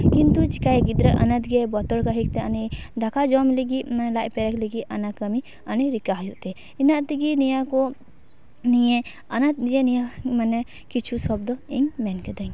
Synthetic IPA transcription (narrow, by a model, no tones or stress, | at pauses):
kint̪ut͡ʃi̥kajɡid̪ɾəʔɐ̰nat̪ɡɛbɔt̪ɔɾkaɦik̚t̪ɛanid̪ʱakʰad͡ʒɔmliɡinlaʔpɛɾɛkliɡiʔanakəmi | aniɾikaɦjuʔt̪ɛ | inaʔt̪iɡinijakɔ | nije | ɐnat̪̚jenijamanɛ | kit͡ʃʰusɔbd̪ɔiŋmɛnkəd̪aŋ